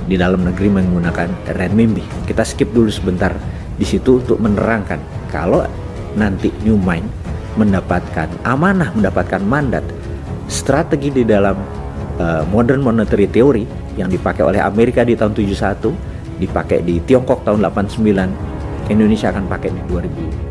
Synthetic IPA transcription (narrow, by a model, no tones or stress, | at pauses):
didalamnəɡəɾiməŋɡunakanrɛnmimbikit̪asə̥kɪp̚dulusəbənt̪ar | disit̪uːnt̪ʊk̚mənəɾaŋkanka̰lo | nant̪injumajn | məndapat̪̚kanʔamanahməndapat̪̚kanmanda̰t̪̚ | st̪ɾat̪eɡididalam | əːodɛrnmonət̪əɾit̪eoɾi | jaŋdipakeo̰lɛha̰meɾikadit̪aɦunt̪ud͡ʒusat̪u | dipakḛdit̪iɔŋkɔk̚t̪aɦʊndlapansəmbilan | kindonesiaːkanpakɛdiduaɾibu